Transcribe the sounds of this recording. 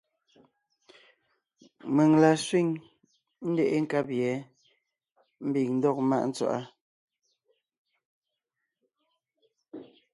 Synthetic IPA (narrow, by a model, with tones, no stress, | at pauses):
me˨ŋla˨swi˦˨ŋ | n̩˦dɛ˨ʔe˦ŋ̩˦ka˦p̚jɛ˨˦ | m̩˦bi˨ŋn̩˦dɔ˦k̚ma̰˦ʔn̩˦t͡swa̰˨ʔa˦